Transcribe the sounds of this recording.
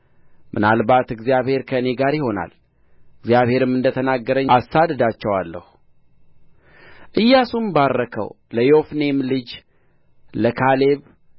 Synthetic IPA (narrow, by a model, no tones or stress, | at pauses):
mʔɨnalbat̪ɨɡzijaβhe̞ɾkʰəɨne̞ɡaɾjɪho̞na̰l | ɨɡzjaβhe̞ɾɨmɨnd̪ət̪ʰənaɡːəɾəɲːasad̪d̪at͡ʃːɛwalːə̰hu | ʔɨjːasumbaɾːəkʰə̰w | ləjo̞fnemlɨd͡ʒ | ləkʰale̞β